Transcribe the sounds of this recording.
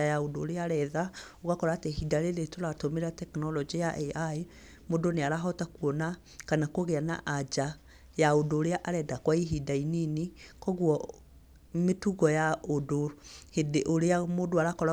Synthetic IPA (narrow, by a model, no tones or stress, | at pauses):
ajaodoːɾeaɾɛðaoɣakɔɾaːteɦidaɾeɾetoɾatomeɾeatɛknɔlɔd͡ʒijaʔɛae | modoneaɾaɦɔtakuɔna | kanakoɣeana̰ʔad͡ʒa | jaodoːɾeaʔaɾɛdakwaiɦidaininekɔɣwɔ | metuɣɔjaodohedeʔoɾeamodoaɾakɔɾa